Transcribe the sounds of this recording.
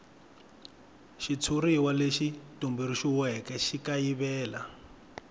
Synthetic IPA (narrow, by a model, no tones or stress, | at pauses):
ʃit͡sʰuriwaleʃitumbiɾiʃiwɛkɛʃikaiβɛːla